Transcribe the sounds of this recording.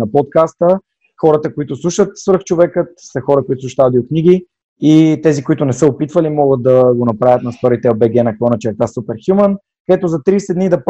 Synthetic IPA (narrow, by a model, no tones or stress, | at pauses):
nɐpɔt̪̚kast̪ə | xɔɾət̪əkoit̪ʊslˠuʃət̪svəɾft͡ʃovɛkət̪sɐxɔɾəkoit̪ʊsuʃt̪aad̪iokniɡ̟i | it̪ɛzikoit̪ʊnɛsəopit̪vɐlimɔɡət̪̚d̪ɐɡonɐpɾavʲət̪nɐsp̪ɔɾit̪ɛobɛɡɛnɐkɔnɐt͡ʃɛkk̪asupɛɾxjumən | kd̪ɛt̪ozɐt̪ɾiːsɛd̪nid̪ɐp